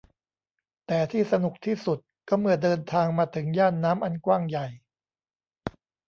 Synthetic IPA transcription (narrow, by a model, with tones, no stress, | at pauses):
t̪ɛː˨˩t̪ʰiː˥˩sa˧nu˨˩k̚t̪ʰiː˥˩su˨˩t̪̚kɔː˥˩mɯ˧˩ədɤː˧nt̪ʰaː˧ŋmaː˧t̪ʰɯ˩˦ŋjaː˥˩nːaː˦˥mʔa˧nkwaː˥˩ŋja˨˩j